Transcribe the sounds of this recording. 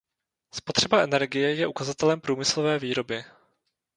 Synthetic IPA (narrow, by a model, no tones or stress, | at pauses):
spo̞t̪r̝̥ɛbaʔɛnɛɾɡɪjɛjɛʔukazat̪ɛlɛmpɾuːmɪslovɛːviːɾo̞bɪ